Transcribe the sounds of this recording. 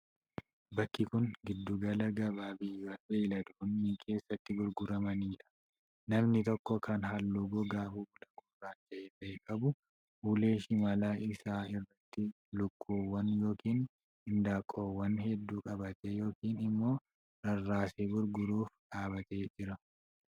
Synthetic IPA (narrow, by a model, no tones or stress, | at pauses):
bɐkːɪkʊŋɡɪd̪ːuɡɐlɐɡɐbaːbɪjɐbeːlɐd̪ʊhʊnːikʰe̞ːsːɐt̪ːɪɡʊɾɡʊɾɐmɐniːᶑɐ̥ | nɐmnɪt̪ɔkːɔkɐnɦɐlːuɡɔɡaːfuːbʊlɐkʼoːraːd͡ʒɐʔeːt̪ɐʔɛkʼɐbʊ | uːle̞ːʃɪmɐlaːʔɪsaːɪrːɐt̪ːɪ | lʊkʼːuːwːɐnjo̞ːkiːn | ɪnd̪aːkʼːoːwːɐnhɛd̪ːuːkʼɐbɐt̪ɛjo̞ːkiːnɪmːo̞ː | ɾɐrːaːseːbʊɾɡʊɾuːfᶑaːbɐt̪e̞ːd͡ʒɪɾɐ